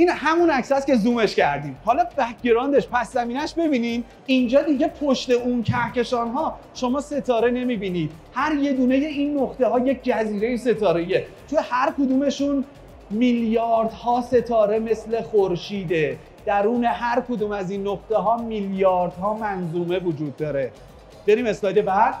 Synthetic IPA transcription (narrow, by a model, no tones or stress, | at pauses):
inhæmunæcsæst̪cʲe̞zuːme̞ʃcʰæɾd̪iːmhɒːlɒbæɟeɾɒːnd̪eʃpʰæszæmiːnæʃbe̞biːnin | ind͡ʒɒːd̪iɟe̞pʰoʃt̪e̞uːncʰæhce̞ʃɒːnɦɒː | ʃo̞mɒːse̞t̪ʰɒːɾe̞ne̞miːbiːniːd̪̚ | hæɾje̞d̪uːne̞je̞iːnːoxt̪eɦɒːjec̚ʰd͡ʒæziːɾejise̞t̪ʰɒːɾe̞ije | t͡ʃʰonhæɾkʰod̪uːme̞ʃun | miljɒːɾd̪hɒːse̞t̪ʰɒːɾe̞me̞sle̞xoɾʃiːd̪e | d̪̥æɾuːne̞ɦæɾkʰod̪uːmæzinːoxt̪e̞ɦɒːmiljɒːɾd̪̥hɒːmænzuːme̞vod͡ʒuːd̪ːɒːɾe̞ | b̥e̞ɾiːme̞slɒːjd̪ebæ